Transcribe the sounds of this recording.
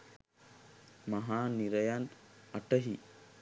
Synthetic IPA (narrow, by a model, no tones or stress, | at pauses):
mɐɦaːniɾɐjanɐʈɐɦi